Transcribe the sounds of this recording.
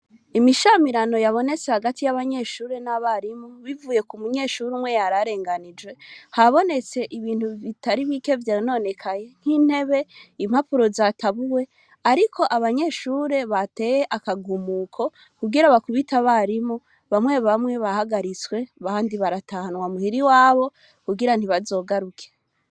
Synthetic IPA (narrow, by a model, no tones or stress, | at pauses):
imiʃamiɾano̞jaβo̞ne̞t͡sehaɡatʰijaβaɲe̞ʃuːɾe̞naβaɾimuβivuːje̞kumuɲe̞ʃuɾumwe̞jaɾaɾe̞ːŋɡanid͡ʒwe̞haβo̞ne̞t͡se̞ʔiβiːn̥huβitaɾiβike̞vjano̞ne̞kʰaje̞n̥hiːn̥he̞βe̞imhapuɾo̞zatʰaβuwe̞ | aɾikʰo̞ʔaβaɲe̞ʃuɾe̞βate̞jeʔakaɡumuːkʰo̞ | kuɡiɾaβakuβitaβaɾimu | βamwe̞βamŋe̞βahaɡaɾit͡swe̞βaːndiβaɾatahanwamuhiɾiwaːβo̞ | kuɡiɾan̥iβazo̞ːɡaɾukʰe